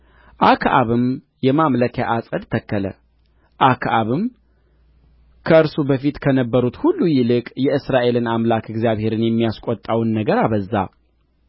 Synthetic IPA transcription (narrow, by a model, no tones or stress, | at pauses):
ʔakʰʔa̰βɨm | jɛmamləkʰja̰ʔasʼəd̪t̪ʰəkːələ̰ | ʔakʰʔaβɨm | kʰəɨɾsubəfit̪kʰənəbːəɾut̪hulːujɪlɨkʼjɛɨsɾaʔe̞lɨnamlakɨɡzijaβhe̞ɾɨnjɛmːijaskʷʼɔt̪ʼːawnːəɡəɾaβəzːa̰